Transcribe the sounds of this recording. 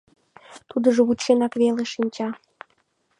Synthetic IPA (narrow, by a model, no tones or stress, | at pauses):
t̪ud̪əʒoβut̪ʃenɑkβeleʃinʲt͡ɕɑ